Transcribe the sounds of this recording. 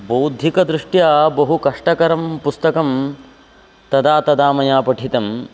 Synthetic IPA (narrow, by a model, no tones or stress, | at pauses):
boːd̪ʱikɐd̪ɾiʂʈjaːbɐɦukɐʂʈɐkɐɾɐmpust̪ɐkɐm | t̪ɐd̪aːt̪ɐd̪aːmɐjaːpɐʈʰit̪ɐm